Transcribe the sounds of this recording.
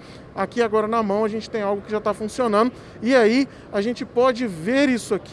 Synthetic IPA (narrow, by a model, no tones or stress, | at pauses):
akiaɡɔɾɐnɐmɐ̃w̃ɐʒẽnt͡ʃɪ̥t̪ẽj̃awɡʊkɪʒat̪afũsionɐ̃nd̪ʊ | iai | aʒẽnt͡ʃɪpɔd͡ʒɪveɾisʊak